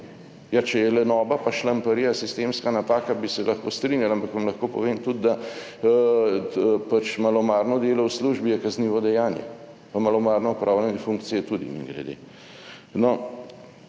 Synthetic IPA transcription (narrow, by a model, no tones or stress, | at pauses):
jat͡ʃɛjɛlɛnɔːbapaʃlampɐɾijasist̪emskanat̪aːkabisɛlʔɐxkoːst̪ɾinjalaampakʋamlɐxkoːpɔʋeːmt̪ud̪d̪a | pat͡ʃmalɔmaːɾnɔd̪eːlɔwsluʒbijɛkazniːʋɔd̪ɛjaːnjɛ̰ | pamalɔmaːɾnɔɔpɾʔawlʲɛnɛfuŋkt̪sijɛt̪ud̪ḭnḭɡlɛ̰d̪ḛ | nɔ